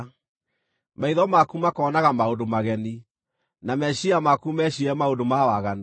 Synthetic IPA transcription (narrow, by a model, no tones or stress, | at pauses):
maiðɔmakumakɔːnaɣamaodomaɣɛni | namɛʃiamakumɛʃiɛmaondomawaɣan